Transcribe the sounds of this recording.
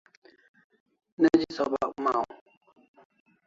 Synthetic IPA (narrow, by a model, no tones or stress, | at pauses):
nad͡ʒisɔba̰ʔma